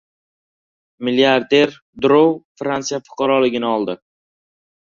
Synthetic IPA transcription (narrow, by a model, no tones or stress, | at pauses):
miliaɾd̪e̞ɾ | d̪ɾowfɾansijafʊ̥qʰɑɾɒlɪɡʲɪnɪɒlˠd̪ɪ